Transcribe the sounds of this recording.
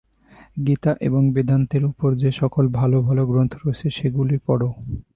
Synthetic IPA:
ɡit̪aʔeboŋbed̪ant̪eɾupoɾd͡ʑeʃɔkolbʱalobʱaloɡɾont̪ʰoɾoet͡ɕʰeʃeɡulipɔɽo

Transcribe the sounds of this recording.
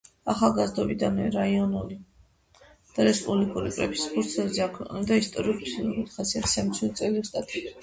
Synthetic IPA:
aχalˠɡazd̪ɔbid̪anɾaiɔnuli | d̪̥aɾɛspʼublikʼuɾḭkʼɾɛ̰pʰi̥spʰuɾt̪sʰɛlzɛakʰwɛqʼnad̪aist̪ʼɔɾiuɾp̪ʰχasiat̪ʰi̥samt̪sʰiuɾt̪sʼɛlist̪ʼat̪ʼi

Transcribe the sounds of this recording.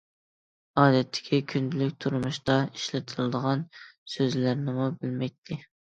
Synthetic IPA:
ɑːd̪ɛt̪ʰːɪ̥kʲʰikʲʰynd̪ɪlykʲt̪ʰuɾmuʃt̪ɑiʃlɪt̪ʰɨlˠɨd̪əʁɑnsøzlæɾnɪmubɪlmɛk̚ʲt̪ʰɪ

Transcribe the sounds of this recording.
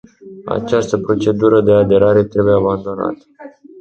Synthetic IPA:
a̰t͡ʃast̪əpɾo̞t͡ʃe̞d̪uɾəd̪e̞ad̪e̞ɾaɾe̞t̪ɾe̞bujeaband̪o̞na̰t̪ə̥

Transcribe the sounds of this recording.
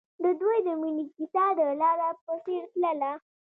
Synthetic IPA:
d̪əd̪wojd̪əmunikit̪ɑd̪əlɑɾapəseɾt̪ləla

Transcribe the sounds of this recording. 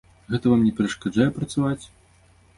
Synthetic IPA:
ɣɛt̪ɐvamnʲɛpʲɛɾɐʂkad͡ʐajɛpɾɐt̪savat͡sʲ

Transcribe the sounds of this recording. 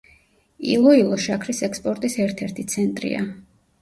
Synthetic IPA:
ḭlˠɔilˠɔʃakʰɾisɛkspʼɔɾt̪ʼisɛɾt̪ʰɛɾt̪ʰit̪sʰɛnt̪ʼɾḭa̰

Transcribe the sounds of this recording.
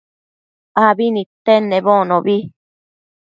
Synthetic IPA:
aβinĩt̪enẽβõnõβi

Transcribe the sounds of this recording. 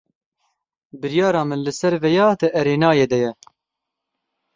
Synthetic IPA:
bɨɾjɑːɾɑːmɨnlɨsɛɾvɛjɑːd̪ɨʔɛɾeːnɑːjeːd̪ɛjɛ

